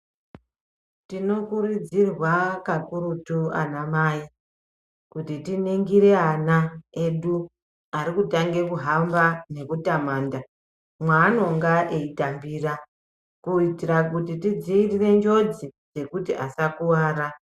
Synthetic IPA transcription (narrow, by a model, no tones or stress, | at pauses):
tino̞kuɾud͡zirwakakurutua̰namaːi | kutitiniŋɡiɾe̞anae̞ɗu | aɾikutaŋɡe̞kuɦambane̞kutamaːnda | mwaːno̞ŋɡaʔeitambiːra | kuitirakutitid͡ziːrire̞nd͡ʒo̞d͡zid͡ze̞kutiʔasakuwaːra